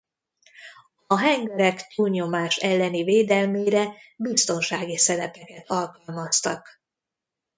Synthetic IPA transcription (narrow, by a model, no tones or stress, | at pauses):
ɒɦɛŋɡɛɾɛkt̪uːlɲo̞maːʃɛlːɛniveːd̪ɛlmeːɾɛbist̪o̞nʃaːɡisɛɾɛpɛkɛt̪ʰɒlkɒlmɒst̪ɒk